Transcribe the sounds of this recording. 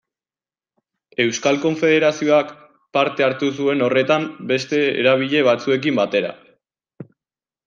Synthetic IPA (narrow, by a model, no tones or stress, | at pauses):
e̞wskalko̞ɱfe̞ðe̞ɾasio̞ak | paɾt̪e̞aɾt̪us̬ue̞no̞re̞t̪ambe̞st̪e̞ḛɾaβ̞iʎe̞β̞at͡sue̞k̬imbat̪e̞ɾa̰